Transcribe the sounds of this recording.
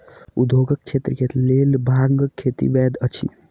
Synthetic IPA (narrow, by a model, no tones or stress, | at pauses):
ṵd̪ʱoɡək̚t͡ʃʰet̪ɾəkelelbʱãŋɡkʰːet̪ḭbɛd̪ət͡ʃʰḭ